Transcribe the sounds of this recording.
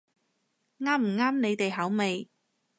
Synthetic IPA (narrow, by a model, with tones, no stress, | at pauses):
ŋaː˥m̩˨˩ŋaː˥mne˨˧jt̪e˨jɦɐ˨˥wme˨˧j